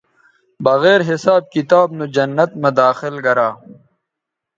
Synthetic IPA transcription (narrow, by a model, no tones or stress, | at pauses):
bɐɣeːɾɦɪsaːb̚kit̪aːbnud͡ʑɐnːɐt̪mɐd̪aːxɪlɡɐɾaː